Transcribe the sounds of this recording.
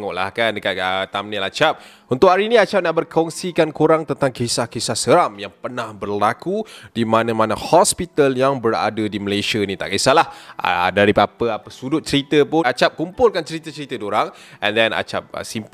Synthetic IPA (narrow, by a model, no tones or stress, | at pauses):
ŋɔʔla̰hkandəkat̪̚ət̪amnilat͡ʃap̚ | unt̪ʊʔhaɾinĩat͡ʃap̚naʔbərkʰɔŋsikankuɾaŋt̪ənt̪aŋkesahkesahsəɾamjaŋpərnahbərlakudimanãmãnahɔspit̪aljaŋbəra̰dədiməleʃanĩt̪a̰ʔkesalahdaɾipapəapəsudʊt̪̚t͡ʃəɾit̪əpʊat͡ʃap̚kumpʊlkant͡ʃəɾit̪ət͡ʃəɾit̪ədoɾaŋɛ̃ndɛna̰t͡ʃa̰p̚ə̰simp